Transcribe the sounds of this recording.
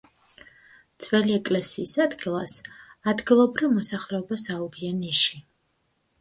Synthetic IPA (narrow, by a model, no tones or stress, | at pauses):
d̪sʼvɛliɛkʼlɛsiːsad̪ɡilˠasad̪ɡilˠɔbɾivmɔsaχlɛɔbasauɡianiʃi